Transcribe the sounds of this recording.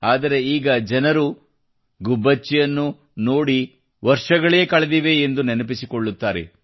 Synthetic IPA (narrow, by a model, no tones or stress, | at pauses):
aːd̪ɐɾe̞iːɡɐd͡ʒɐnɐɾu | ɡubːɐt͡ʃːijɐnːu | no̞ːɽi | ʋɐɾʂɐɡɐɭeeːkɐɭed̪iʋe̞ːnd̪unenɐp̬isikoɭːut̪ːaːɾḛ